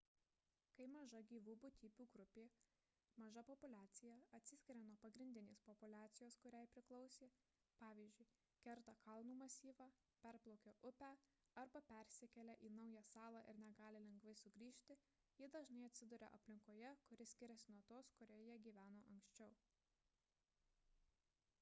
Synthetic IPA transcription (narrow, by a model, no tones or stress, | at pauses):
kɐɪmɐʒɐɡʲiːʋuːbʊt̪ʲiːpʲuːɡɾʊpʲeː | mɐʒɐpɔpʊlʲæːt̪sʲɪjɛɐt̪ʲsʲɪsʲkʲɪɾʲɛnuɔpɐɡɾʲɪnʲd̪ʲɪnʲeːspɔpʊlʲæːt̪sʲɪjoːskʊɾʲæjpʲɾʲɪklˠɐʊsʲeː | pɑːʋʲiːzʲd͡ʒʲʊɪ | kʲɛɾt̪ɐkɐlˠnuːmɐsʲiːʋɑ | pʲɛɾplˠɔʊkʲoʔʊpʲæ | ɐɾbɐpʲɛɾʲsʲɪkʲɛlʲɛʔiːnɐʊjɛsɑːlˠɑːʔɪ̰ɾnʲɛɡɑːlʲɪlʲɛŋɡʋɐɪsʊɡɾʲiːʃʲt̪ʲɪ | jɪd̪ɐʒnɐɪɐt̪ʲsʲɪd̪ʊɾʲɛ̰ʔɐ̰pʲlʲɪŋkoːjɛkʊɾʲɪsʲkʲɪɾʲɛsʲɪnuɔt̪oːskʊɾʲɛːjiɛɡʲiːʋʲæːnoːʔɐŋksʲt͡ʃʲɛʊ